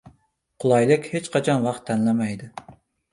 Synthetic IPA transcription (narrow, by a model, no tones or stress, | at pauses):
qʰʊlˠɑjlˠɪkʲhet͡ʃqʰɑt͡ʃʰɑnwɑqt̪ʰːɛnlɛmɛjd̪ɪ